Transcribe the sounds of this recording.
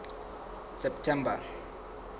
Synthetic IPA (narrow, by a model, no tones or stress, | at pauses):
sɛp̚tʰɛmbar